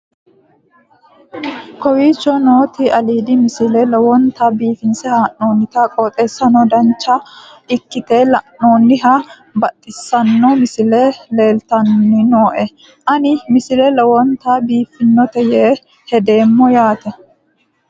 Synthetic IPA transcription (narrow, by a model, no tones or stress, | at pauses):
kɔwiːt͡ʃːɔnoːt̪iʔɐliːd̪ɪmɪsɪlɛlɛwɔnt̪abiːfɪnsɛhaːnːoːnːɪt̪akʼɔt̪ʼeːsːɐnɔd̪ɐnt͡ʃːa | ʔɪkːɪt̪e̞ːlɐnːo̞ːnːɪɦa | bɐt̪ʼːɪsːɐnːɔmɪsɪlele̞ːlt̪ɐnːɪnoːʔɛ | ʔɐnɪmɪsɪlɛlɔwɔnt̪abiːfɪnːɔt̪ɛjeː | hɛd̪e̞ːmːɔjaːt̪ɛ